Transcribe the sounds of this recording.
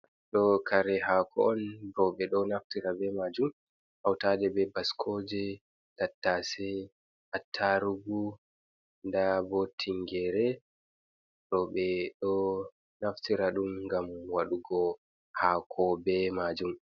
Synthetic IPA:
ɗɔkʰaɾɛɦaːkʰɔ̰ʔɔnɾɔɓɛɗɔnaftiɾabɛmad͡ʒum | hawtadɛbɛbaskʰɔd͡ʒɛ | datːasɛ | ʔatʰːaɾuɡu | ndabɔtʰiŋɡɛɾɛ | ɾɔɓɛɗɔ | naftiɾaɗumŋɡamwaɗuɡɔ | hakʰɔbɛmad͡ʒum

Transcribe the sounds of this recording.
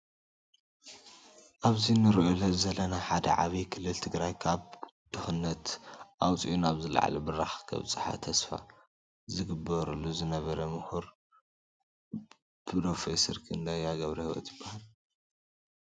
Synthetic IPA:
ʔaβzinɨɾʔulɐzɐlɐnaħad̪ɐ̰ʕaβikʰɨlːɨlt̪ʰɨɡɾajkʰaβd̪̥uxɨnːɐt̪ʔawt͡sʼiunaβzɨla̰ʕa̰lɐbɨɾa̰xkʰɐ̰βt͡sʼɨ̥ħa̰t̪ʰɐsfa̰ | zɨɡɨbːɐɾulːuzɨnɐβɐɾɐmɨhuɾ | pʰɾo̞fesɐɾkʰɨnd̪ajaɡɐβɾɐhiwɔ̰t̪jɪbːahal

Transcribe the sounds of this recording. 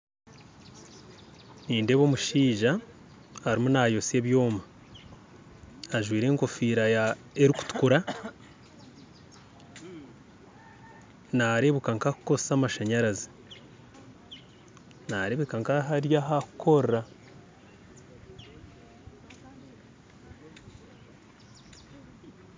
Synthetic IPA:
niːnde̞βo̞ːmuʃiːʒa | aɾimunaːjo̞sie̞ːβjo̞ːma | aʒwiːɾe̞ːŋko̞fiːɾaja | e̞ɾiku̥tu̥kuɾa | naːɾeβukaŋkakuko̞ssamaʃaɲaɾazi̥ | naɾe̞βekaŋkaɦaɾjaɦakukʰo̞ɾɾa

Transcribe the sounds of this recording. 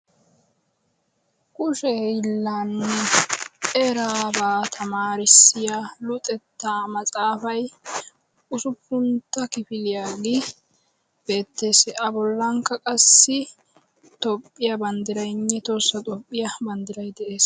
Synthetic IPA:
kʼʊʃɛɛjlːaːnːɛ | ɛɾaːbaːt̪ʰɐmaːɾɪsːɪjaːlʊt̪ʼɛt̪ːaːmɐt͡sʼaːfɐj | ʔʊsʊpːʊnt̪ːɐkɪfɪlɪjaːɡɪ | b̥e̞ːt̪ːeːsɛʔɐbɔlːɐŋkːɐkʼɐsːɪ | t̪ɔpʼːɪjɐbɐnd̪ɪɾɐjɲːɛt̪oːsːɐt̪ʼɔpʼːɪjɐbɐnd̪ɪɾɐjd̪ɛʔe̞ːs

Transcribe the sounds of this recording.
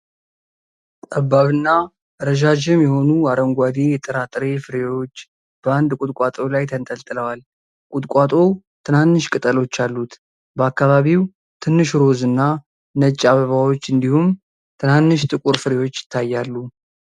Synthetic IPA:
t̪ʼəbːaβɨnːa | ɾəʒad͡ʒɪmjɛho̞nuaɾəŋɡʷad̪ejɛt̪ʼɨɾat̪ʼɾe̞fɨɾewo̞t͡ʃː | b̥əand̪kʼut̪ʼkʷʼat̪ʼolajt̪ʰənt̪ʼəlt̪ʼɨləwal | kʼut̪ʼkʷʼat̪ʼo̞ | t̪ʰɨnanːɨʃkʼɨt̪ʼəlo̞t͡ʃːalːut̪ | bəakːaβaβiw | t̪ʰɨnːɨʃɾo̞zɨnːa | nət͡ʃʼːaβəβawot͡ʃːɨnd̪ihum | t̪ʰɨnanːɨʃt̪ʼɨkʼuɾfɨɾewo̞t͡ʃːjɪ̥t̪ʰːajːalːu

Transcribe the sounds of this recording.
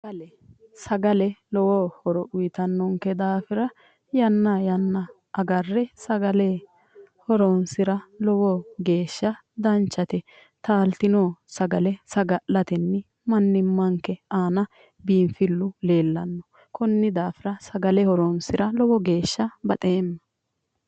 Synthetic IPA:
ɡɐlɛ | sɐɡɐlɛlɔwɔhɔɾɔʔʊjt̪ɐnːɔŋkːɛd̪aːfɪɾɐ | jɐnːɐjɐnːɐː | ɡɐrːɛsɐɡɐlɛ | hɔɾɔnsɪɾɐlɔwɔɡe̞ːʃːɐd̪ɐnt͡ʃːɐt̪ɛ | t̪aːlt̪ɪnoːsɐɡɐlɛsɐɡɐʔːɐt̪ɛnːɪ | mɐnːɪmːɐŋkːɛaːnɐ | biːfɪlːʊle̞ːlːɐnːɔ | kɔnːɪd̪aːfɪɾɐsɐɡɐlɛhɔɾɔnsɪɾɐlɔwɔɡe̞ːʃːɐbɐt̪ʼeːmːɐ

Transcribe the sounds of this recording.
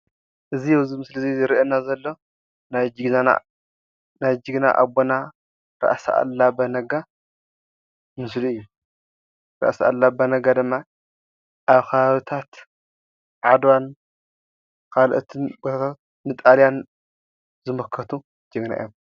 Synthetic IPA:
ʔɨzijɛwzɨmɨslizizɨɾiʔɐnazɐlːo̞ | najd͡ʒɨɡnana̰ | najd͡ʒɨɡna̰ʔa̰bo̞na | ɾɐ̰ʔsa̰ʔa̰lːabɐnɐɡa | mɨsliɨjːu | ɾa̰ʔsaʔa̰lːabɐnɐɡad̪ɨmːa | ʔaβxaβaβit̪ʰat̪ | ʕad̪wan | kʰalʔt̪ʰɨnbot̪ʰat̪ʰat̪̚ | nɨt̪ʼaljan | zɨmɐkʰːɐt̪ʰu | d͡ʒɨɡna̰ʔjom

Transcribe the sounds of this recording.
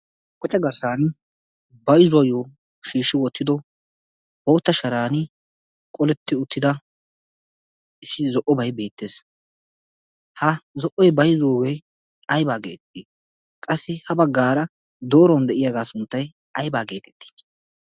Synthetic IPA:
kʼɔt͡ʃʼɐɡɐɾsaːn | bɐjzʊwɐjo | ʃiːʃːɪwɔt̪ːɪd̪ɔ | boːt̪ːɐʃɐɾaːnɪ | kʼɔlɛt̪ːɪʊt̪ːɪd̪ɐ | ɪsːɪzɔʔɔbɐjbe̞ːt̪ːeːs | hɐzɔʔɔjbɐjzʊoːɡɛj | ɐjbaːɡḛːt̪̚ːɪ | kʼɐsːɪhɐbɐɡːaːɾɐ | d̪o̞ːɾɔnd̪ɛʔɪjɐɡaːsʊnt̪ːɐj | ʔɐjbaːɡe̞ːt̪ɛ̥t̪ːi̥

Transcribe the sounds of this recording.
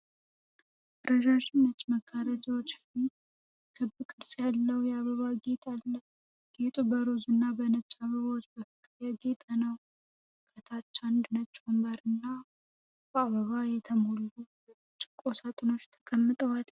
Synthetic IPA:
ɾəʒaʃɪnnət͡ʃʼːməkʰːaɾəd͡ʒawot͡ʃːfin | kʰɨbɨkʼɨdsʼjalːəwjɛaβəβaɡet̪ʼalːə | ɡ̥et̪ʼubəɾozɨnːabənət͡ʃʼːaβəβawot͡ʃːbəfɨkʼɾjɛɡet̪ʼənəw | kʰət̪ʰat͡ʃːand̪ɨnət͡ʃːʼombəɾɨnːa | bəaβəβajɛt̪ʰəmolːu | t͡ʃʼɪ̥kʼo̞sat̪ʼɨno̞t͡ʃːt̪ʰə̥kʼəmːɨt̪ʼəwal

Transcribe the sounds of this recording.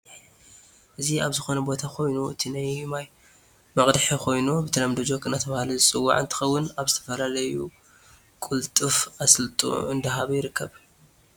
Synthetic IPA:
ʔɨziaβzɨxo̞nɐbo̞t̪ʰakʰo̞jnuʔɨt̪ʰinajmaj | mɐχʼd̪ħekʰo̞jnubɨt̪ʰinamd̪od͡ʒokʰʼɨnːat̪ʰɐβahalɐzɨt͡sʼɨwːa̰ʕɨnt̪ʰɨ̥xɐwːʊnaβzɨt̪ʰɐ̥fɐlalɐju | kʼult̪ʼɨfasɨlt̪ʼṵɨnd̪ɐɦaβjɪɾɨkːɐβ

